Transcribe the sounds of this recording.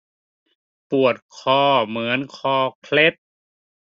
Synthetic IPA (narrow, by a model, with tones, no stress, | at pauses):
pu˨˩ət̪̚kʰɔː˧˩mɯ˩˦ənkʰɔː˧˩kʰle˦˥t̪̚